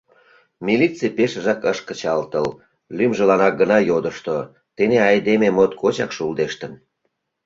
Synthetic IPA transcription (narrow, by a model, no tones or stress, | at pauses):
milit̪t͡sipeʃəʒɑkəʃkət͡ɕɑlt̪əl | lymʒəlɑnɑk̚ɡənɑjod̪əʃt̪o | t̪eneɑjd̪ememot̪kʰot͡ɕɑ̰kʃuld̪eʃt̪ən